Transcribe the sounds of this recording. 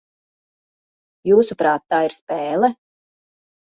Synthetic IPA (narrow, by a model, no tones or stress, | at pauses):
juːsupɾaːt̪ːaːiɾspɛːlˠɛ